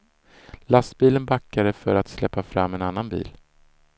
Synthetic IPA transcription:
last̪biːlənbakːaɾəfœɾat̪slɛpːafɾa̰mːɛnanːanbḭːl

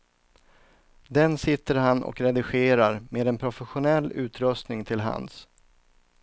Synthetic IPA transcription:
d̪ɛnsɪt̪ːəɾɦanʔɔ̰kɾɛd̪ɪɧeːɾaɾmeːd̪ɛnpʰɾʊfɛɧʊnɛlːʉ̟ːt̪ɾɵst̪nɪŋt̪ʰɪlɦa̰ns

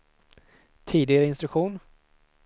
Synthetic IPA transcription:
t̪ʰiːd̪ɪɡaɾəɪnst̪ɾɵkɧuːn

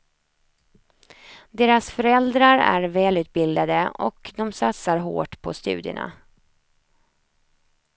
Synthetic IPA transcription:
d̪eːɾasfœɾɛld̪ɾaɾæ̰ɾvɛːlʉ̟ːt̪̚bɪld̪ad̪əɔ̰kd̪ɔmsat̪saɾɦo̰ːʈpʰɔst̪ʉ̟̰ːd̪ɪʊ̰ɳa̰

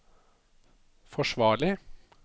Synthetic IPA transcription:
fɔʃʋɑːɭɪ

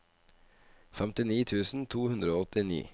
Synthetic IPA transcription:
fɛmt̪ɪniːt̪ʰʉːsn̩t̪ʰuːhʉnd̪ɾəoːɔt̪ɪnḭː

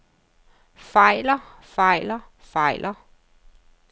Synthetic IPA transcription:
fɑ̈ɪ̰lɐfɑ̈ɪ̰lɐ | fɑ̈ɪ̰lʔɐ

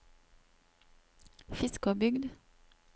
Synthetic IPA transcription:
fɪskobʏɡd̪

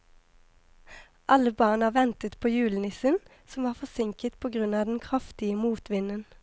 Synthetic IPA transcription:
ʔɑləbɑːʁnɑːʋɛnt̪ət̪pʰoːjʉːlənɪsən | sɔmʋɑːʁfɔsɪŋkət̪pʰoːɡʁʉnɑːd̪ɛn̩kʰʁɑft̪ɪəmuːt̪ʰʋɪnən

